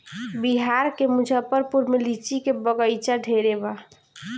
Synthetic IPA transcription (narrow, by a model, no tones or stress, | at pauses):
biɦaɾkemud͡ʒʱəpəɾpuɾmelit͡ʃikebəɡəjt͡ʃaɖʱeɾeba